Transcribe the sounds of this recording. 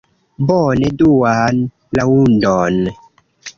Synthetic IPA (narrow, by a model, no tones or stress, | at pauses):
bɔneduwan | lawundɔn